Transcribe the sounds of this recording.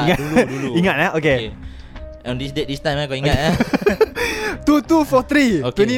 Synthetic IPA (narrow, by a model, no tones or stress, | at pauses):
ŋauuiŋat̪̚laoke | ɔ̃ndisdet̚dist̪ajmakoiat̪a | t̪ut̪ufɔt̪ɾiokt̪eni